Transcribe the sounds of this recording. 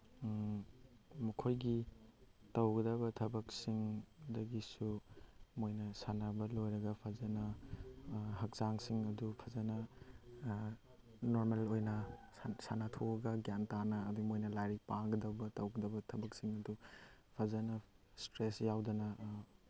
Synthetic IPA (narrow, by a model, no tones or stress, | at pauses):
mɐkʰojɡi | tɐwɡɐdɐbɐtʰɐbɐk̚siŋdɐɡisumojnɐsanabɐlojɾɐɡɐpʰɐzɐnɐ | ɦɐk̚saŋsiŋɐdupʰɐzɐnɐ | noɾmelojnɐsanɐtʰoɐɡɐɡjantanɐːdumojnɐlajɾipaŋɡɐdɐbɐtɐwɡɐdɐbɐtʰɐbɐk̚siŋɐdupʰɐzɐnɐstɾesjawdɐnɐ